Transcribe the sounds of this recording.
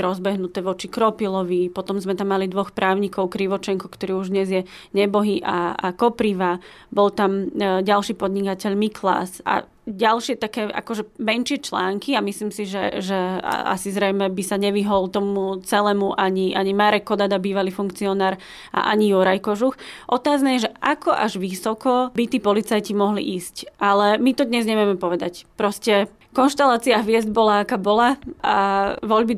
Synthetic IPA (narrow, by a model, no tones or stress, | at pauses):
ɾɔzbɛɦnut̪ɛːʋɔt͡ʃikɾɔpilɔʋipɔt̪ɔmzmɛt̪amːalid̪ʋɔxpɾaːʊɲikɔʊkɾiʋɔt͡ʃɛŋkɔkt̪ɔɾiːuʒd̪ɲɛzjɛ | ɲɛbɔɦiʔa̰a̰kɔpɾiʋa | bɔlt̪amɟalʃiːpɔd̪ɲikacɛʎmikʰla̰sa̰ | ɟalʃɪɛt̪akɛːʔa̰kɔʒɛmɛnʃɪɛt͡ʃlaːŋkiamisliːmsiʒɛʒɛ̰a̰sizɾɛjmɛbisaɲɛʋiɦɔlt̪ɔmut͡sɛlɛːmuʔaɲiʔaɲimaɾɛkːɔd̪ad̪abiːʋaliːfuŋkt͡siɔnaːɾ | ʔa̰ʔa̰ɲijɔɾajkɔʒuxʔɔt̪aːznajɛʒɛʔakɔʔa̰ʒʋisɔkɔbit̪iːpɔlit͡sajcimɔɦlḭʔiːscʔalɛmit̪ɔd̪ɲɛzɲɛmjɛmɛpɔʋɛd̪a̰cpɾɔscɛ | kɔnʃt̪alaːt͡siaɦʋɪɛzd̪bɔlaakaːbɔlaaʋɔʎbi